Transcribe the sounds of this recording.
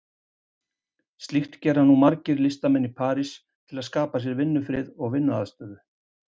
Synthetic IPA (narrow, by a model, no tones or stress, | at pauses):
st̪lixt̪cɛːɾanːumaɾcɪɾlɪst̪amɛnːipʰaːɾis | t̪ʰɪlaðskaːpas̬jɛɾvɪnːʏfɾɪðɔɣvɪnːʏaðst̪œːðʏ